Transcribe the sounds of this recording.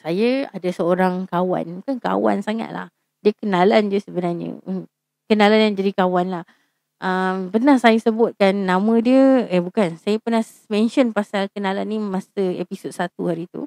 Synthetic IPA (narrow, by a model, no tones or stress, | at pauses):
sajaadasəoɾaŋkawa̰nmukanka̰wa̰nsaŋa̰t̪̚la̰h | diəkənaland͡ʒəsəbənarɲə̰ə | kənalanjaŋd͡ʒadikawanlah | ʔəmpərnahsajasəbʊt̪̚kanːãmə̃diəɛbukansajəpərnah | mɛ̃nʃɔnpasalkənalanːimãsəḛpisot̪̚sat̪uhaɾit̪ṵ